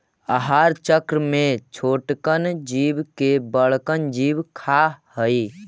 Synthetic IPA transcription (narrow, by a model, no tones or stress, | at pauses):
əɦaɾt͡ʃəkɾəmet͡ʃʰoːʈkənd͡ʒibkebəɭkənd͡ʒibkʰahəi